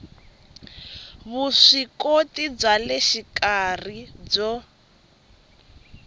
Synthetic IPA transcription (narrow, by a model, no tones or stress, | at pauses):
βuʂikotib͡ʐalɛʃikarib͡ʐɔ